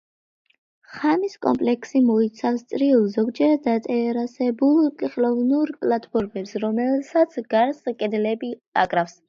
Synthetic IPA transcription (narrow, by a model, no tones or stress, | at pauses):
χamiskʼɔ̰mpʼlɛkʰsimɔit̪sʰafst̪sʼɾiulˠzɔɡd͡ʒɛɾad̪at̪ʼɛɾasɛbulˠt̪ʼiχlɔvnuɾpʼlat̪ʰʼpʰɔɾmɛpsɾɔmɛlsat̪sʰɡaɾskʼɛd̪lɛbia̰kʼɾafs